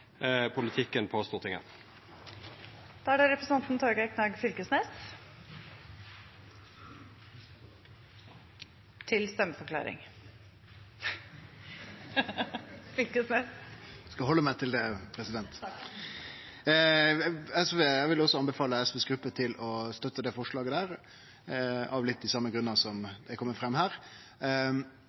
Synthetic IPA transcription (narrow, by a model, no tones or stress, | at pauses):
pʰʊlɪt̪ʰɪkːənpʰoːst̪uːʁt̪ɪŋə̰n | d̪̥ɑːæɖɛɾɛpɾəsn̩ɑnt̪nt̪ʰɔɾɡæɾkʰnɑɡfʏlkəsneːs | t̪ʰɪlst̪ɛmːəfɔɾkʰlɑ̰ːɾɪ̰ŋ | fɪkəsmɛskɑhɔlːəmæɪt̪ʰɪld̪ɛpʰɾɛsɪd̪ɛnt̪ | ɛsʋeːjæʋɪlɔsɔɑnbəfɑːləɛsʋeːsɡɾʉpːət̪ʰɪlɔst̪œt̪ːəd̪ɛfɔʂɭɑːɡəd̪æːɾ | ɑʋlɪt̪̚d̪ɪsɑmːəɡɾʉnːəsɔmd̪ɛkʰɔmːəfʁɛmːhæːʁ